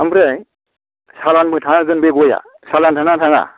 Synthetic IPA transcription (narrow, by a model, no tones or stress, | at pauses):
ambɾej | salanmɯtʰaŋaɡɯnbeɡɔja̰ | salantʰaŋatʰaŋa̰